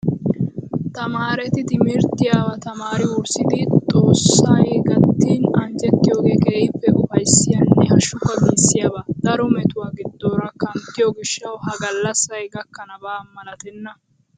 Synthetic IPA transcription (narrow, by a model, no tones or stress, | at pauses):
t̪ɐmaːɾɛt̪ɪt̪ɪmɪɾt̪ːɪjawɐt̪ɐmaːɾɪwʊɾsɪd̪ɪt̪ʼo̞ːsːɐjɡɐt̪ːiːnɐnd͡ʒɛt̪ːɪjo̞ːɡeːkʼeːʔɪpːɛʔʊfɐjsːɪjɐnːɛhɐʃʊkːɐbiːsːɪjabaːd̪̥ɐɾɔmɛt̪ʊwaːɡɪd̪ːo̞ːɾɐkɐnt̪ːɪjɔɡɪʃːɐwhɐɡɐlːɐsɐjɡɐkːɐnɐbaːmːɐlɐt̪ɛnːɐ